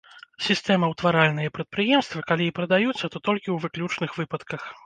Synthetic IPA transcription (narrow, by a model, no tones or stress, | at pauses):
sʲist̪ɛmɐwt̪vaɾalʲnɨjɐpɾɐt̪̚pɾɨjɛmst̪vɐkalʲiːpɾɐd̪ajut̪sːɐt̪ɔt̪ɔlʲkʲiwvɨklʲut͡ʂnɨxvɨpɐt̪kɐx